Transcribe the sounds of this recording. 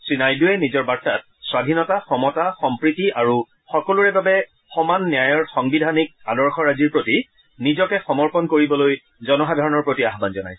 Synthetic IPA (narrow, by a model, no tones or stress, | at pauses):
sinajduɛnizɔɹbaɹtat̚swadʱinɔtaxɔmɔtaxɔmpɹitiaɹu | xɔkɔluɹɛbabɛ | xɔmanːjajɔɹxɔŋbidʱanik̚adɔɹxɔɹaziɹpɹoti | nizɔkɛxɔmɔɹpɔnkoɹibɔloj | zɔnɔxadʱaɹɔnɔɹpɹotiaxbanzɔna̰j